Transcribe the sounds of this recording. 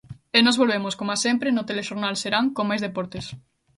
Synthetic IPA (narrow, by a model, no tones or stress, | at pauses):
enɔzβolβemoskomasempɾenʊt̪eleʃoɾnalseɾaŋkomajzðepɔɾt̪es